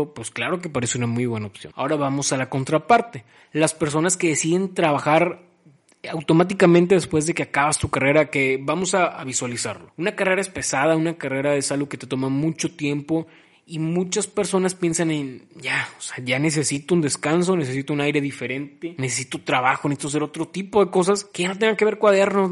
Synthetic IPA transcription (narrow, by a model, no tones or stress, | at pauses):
pwesklaɾo̞k̬e̞paɾe̞seunamujβwe̞naopsjo̰na̰o̞ɾaβamo̞salako̞nt̪ɾapaɾt̪e̞ | laspe̞ɾso̞naske̞ðe̞siðe̞nt̪ɾaβaxaɾ | awt̪omat̪̬ikamẽnt̪̬e̞ðe̞spwe̞zðe̞ke̞akaβast̪ukare̞ɾake̞βamo̞saaβiswalisa̰ɾlounakare̞ɾaespe̞sað̞aunakare̞ɾaesalɣo̞ke̞t̪e̞t̪o̞mamut͡ʃo̞t̪je̞mpo̞ | imũt͡ʃaspe̞ɾso̞naspje̞nsanenɟ͡ʝaoseaʝane̞s̬e̞sit̪ound̪e̞skans̬o̞ne̞sesit̪ounajɾe̞ðife̞ɾe̞nt̪e̞nesesi̥t̪o̞t̪ɾaβaxo̞nesit̪oas̬eɾo̞t̪ɾo̞t̪ipo̞ðe̞ko̞s̬askeʝano̞t̪̬eŋɡakeβe̞ɾkwaðeɾno